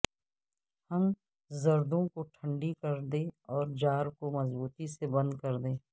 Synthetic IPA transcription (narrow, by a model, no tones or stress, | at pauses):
həm | zɐɾd̪õkoʈʰə̃ɳɖikɐɾd̪ẽːɔːɾd͡ʒaːɾkomɐzbuːt̪isebɐ̃nd̪kɐɾd̪ẽː